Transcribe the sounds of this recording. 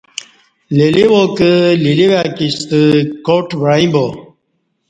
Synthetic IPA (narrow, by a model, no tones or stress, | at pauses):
leliwokəliliwakist̪əkoʈʋɾaĩbo